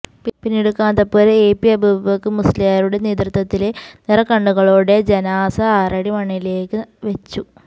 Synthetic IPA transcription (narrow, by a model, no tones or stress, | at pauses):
pinːeɽukːaːnd̪ɐpːoːleːpːiɐbubɐkːɨmusliaːɾuɽe̞neːd̪rɨt̪ːɐt̪ːilenirɐkɐɳɖuɣɐɭoːɽe̞d͡ʑenaːsɐaːrɐɽjɐmɐɳːile̞ːkːɨʋet͡ɕːu